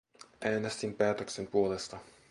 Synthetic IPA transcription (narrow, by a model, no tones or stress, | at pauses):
ʔæːnest̪impæːt̪ø̞kse̞mpuo̞le̞st̪ɑ